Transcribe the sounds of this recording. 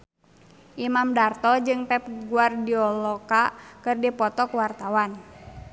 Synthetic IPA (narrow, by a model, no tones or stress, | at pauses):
ʔimamdart̪ɔd͡ʒɨŋpɛp̚ɡuardiɔlɔkakɨrdipɔt̪ɔkwart̪awan